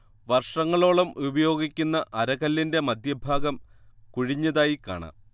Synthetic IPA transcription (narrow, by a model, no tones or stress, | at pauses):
ʋɐrʂɐŋːɐɭo̞ːɭɐmubɐjo̞ːɡikʲːunːɐʔɐɾɐɣɐlːinde̞mɐd̪jɐbʱaːɡɐmkuɻiɲːɐðaːjika̰ːɳɐ̰